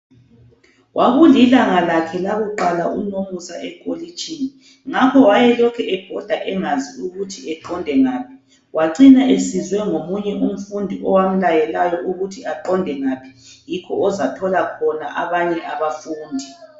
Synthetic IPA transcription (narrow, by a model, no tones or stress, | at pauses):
wʔaɣulilaŋalakʰɛlaβɔǃalaʔunomusaʔɛkʼolit͡ʃʼiːni | ŋakʰɔwajɛlɔkʰɛʔɛb̥ʱɔd̥ʱaʔɛŋaziuɣutʰiɛǃɔndʱɛŋaːpʰi̥ | waǀinaʔesizwɛŋomuɲɛʔum̩fundʱiʔɔwam̩lajɛlajɔʔuɣutʰiaǃɔndʱɛŋaːpʰi̥jikʰɔʔɔzatʰɔlakʰɔnaʔaβaɲɛʔaβafuːndʱi